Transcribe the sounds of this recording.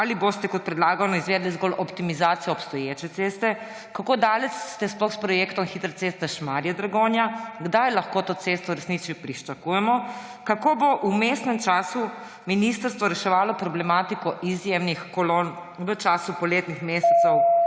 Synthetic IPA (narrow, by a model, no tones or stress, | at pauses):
alibost̪ɛkɔt̪̚pɾɛd̪laːɡanɔizʋeːd̪lizɡolʔɔpt̪imizaːt̪sijɛɔpst̪ɔjeːt͡ʃɛt̪seːst̪ɛ | kakoːd̪aːlɛsːt̪ɛsplɔxspɾɔjekt̪ɔmxit̪ɾat̪seːst̪ɛʃmaɾjɛd̪ɾaɡoːnjaɡd̪ajlaxkoːt̪oːt̪seːst̪ɔɾɛsnit͡ʃipɾiʃt͡ʃakuːjɛmɔ | kakoːboʔumeːsnɛmt͡ʃaːsu | minist̪əɾst̪ʋɔɾɛʃɛʋaːlɔpɾɔblɛmaːt̪ikɔʔizjemnixkɔloːn | ʋət͡ʃaːsupɔleːt̪nixmeːsɛt̪sɛw